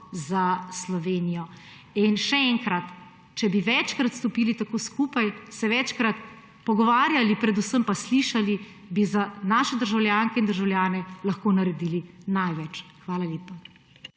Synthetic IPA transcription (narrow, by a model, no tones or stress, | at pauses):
zaslɔʋeːnijɔ | inʃɛɛŋkɾat̪ | t͡ʃɛbiʋɛt͡ʃkɾat̪st̪ɔpiːlit̪akoːskupajsɛʋɛt͡ʃkɾat̪ | pɔɡɔʋaːɾjalipɾɛd̪usəmpasliʃali | bizanaːʃɛd̪əɾʒawlʲjaːŋkɛind̪əɾʒawlʲjaːnɛlɐxkonaɾɛd̪iːlinajʋɛt͡ʃxʋaːlaljeːpa